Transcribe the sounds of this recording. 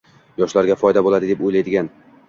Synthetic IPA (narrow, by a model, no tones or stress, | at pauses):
jɒʃlaɾɡʲafɒjd̪abolˠad̪ɪd̪epojlajd̪ɪɡʲan